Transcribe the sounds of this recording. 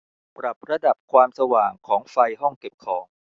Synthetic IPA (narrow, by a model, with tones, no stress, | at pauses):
pɾa˨˩p̚ɾa˧da˨˩p̚kʰwaː˧msa˧waː˨˩ŋkʰɔː˩˦ŋfa˧jɦɔ˥˩ŋke˨˩p̚kʰɔː˩˦ŋ